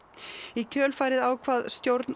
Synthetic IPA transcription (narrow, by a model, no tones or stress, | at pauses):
icʰœːlfaːjɾɪðaːwkʰvaːðst̪jowɾt̪n